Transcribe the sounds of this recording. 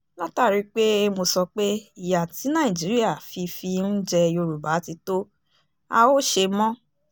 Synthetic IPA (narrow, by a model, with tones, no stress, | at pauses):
la˦ta˦˨ɾi˨˦k͡pe˦˧mo˧sɔ˧k͡pe˦i˦˨ja˨ti˨˦nã˦˨ĩ˨d͡ʒi˨˦ɾi˦a˦˨fi˧fi˧n̩˦d͡ʒɛ˧˦o˧ɾu˨ba˨˦ti˧to˦ | a˧o˦ʃe˧mɔ̃˦